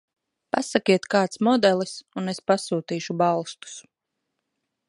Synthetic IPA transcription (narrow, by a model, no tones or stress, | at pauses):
pasakʲiɛt̪kaːt̪smɔd̪ɛlˠisunespasuːt̪iːʃubalˠst̪u̥s